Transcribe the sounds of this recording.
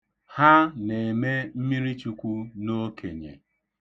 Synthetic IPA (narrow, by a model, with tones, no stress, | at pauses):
ha˦ne˨e˨me˦m̩˦mi˦ɾi˦t͡ʃu˦kʷu˦no˦ke˨ɲḛ˨